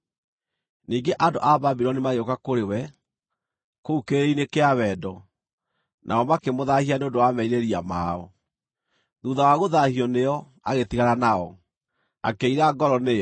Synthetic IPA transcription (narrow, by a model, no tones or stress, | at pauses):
niːŋɡeʔandoʔababiɾɔnimaɣeokakoɾewɛ | koukeeɾinekeaβɛːdɔ | nʔa̰ɔmakemoðahianeondowamɛiɾeɾiamaɔ̰ | ðuːðawaɣoðahiɔnejɔ | a̰ɣetiɣaɾanaɔ | a̰keiɾaɡɔɾɔneɔ